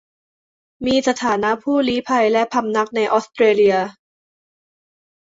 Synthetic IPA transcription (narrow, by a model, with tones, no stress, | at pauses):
miː˧sa˧t̪ʰaː˩˦na˦˥ʔpʰuː˥˩liː˦˥pʰa˧jlɛ˦˥ʔpʰa˧mna˦˥k̚na˧jʔɔː˦˥st̪ɾeː˧li˧ɐ